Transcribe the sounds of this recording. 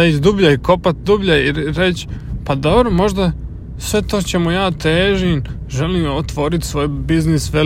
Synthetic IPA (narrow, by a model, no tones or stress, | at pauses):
ait̪d̪ubʎaiko̞pat̪̚d̪ubʎaiɾet͡ɕpad̪obɾomo̞ʒd̪a | sʋe̞t̪o̞t͡ɕe̞mujaːt̪eːʒin | ʒe̞liːmot̪ʋo̞ːɾit̪sʋo̞ːjbiznisʋe